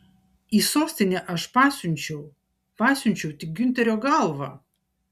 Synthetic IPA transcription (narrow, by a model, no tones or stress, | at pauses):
iːsoːsʲt̪ʲɪnʲɛʔɐʃpɑːsʲʊnʲt͡ʃʲɛʊ | pɑːsʲʊnʲt͡ʃʲɛʊt̪ʲɪk̚ɡʲʏnʲt̪ʲɛɾʲoːɡɐlˠʋɐ